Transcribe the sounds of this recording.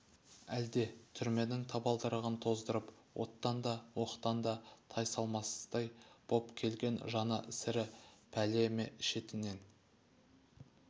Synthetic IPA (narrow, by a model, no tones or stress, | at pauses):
æld̪e̞t̪ʰʏɾme̞nɪŋt̪ʰɑbɑlˠd̪əɾəʁənt̪ʰo̞zd̪əɾəp | wʔo̞̰t̪ːɑnd̪ɑwo̞qt̪ɑnd̪ɑt̪ʰɑjsɑlˠmɑsə̥zt̪ɑjb̥o̞pkʲʰe̞lɡʲe̞nʒɑnɑʔɪsɪɾɪpʰæle̞meʃe̞t̪ɪne̞n